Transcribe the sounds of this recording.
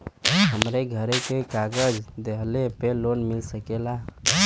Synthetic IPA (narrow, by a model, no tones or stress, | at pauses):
ɦəmɾeɡʱəɾekekaɡəd͡ʒd̪eɦlepelonmilsəkela